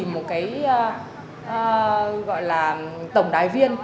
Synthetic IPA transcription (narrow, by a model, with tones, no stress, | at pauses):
mo˨˩t̚kaː˨˦j | ʔɣɔ̰˧˨jlaː˨˩t̪ə˧˩wŋ͡mɗaː˨˩jvi˧ən